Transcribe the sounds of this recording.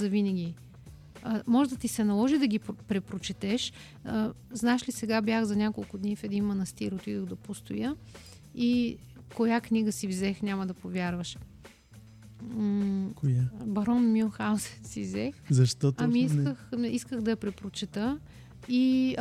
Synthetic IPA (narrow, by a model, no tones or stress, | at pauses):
zɐvinəɡʲi | mɔʒd̪ɐt̪isɛnɐlˠɔʒid̪ɐɡʲippɾɛpɾot͡ʃɛt̪ɛʃ | əznaɛʃlisɛɡabʲjaxzɐnʲakolˠkʊd̪nifɛd̪inmɐnɐst̪iɾot̪id̪oɣd̪ɐpost̪ojə | i | kojaknʲiɡəsivzɛxnʲamɐd̪ɐpovʲjaɾvəʃ | kjbɐɾɔnmixawsɛt̪sivzɛxzɐʃt̪ɔt̪ɐmiiskəxiskəɣd̪ɐɐpɾɛpɾot͡ʃɛt̪ə | i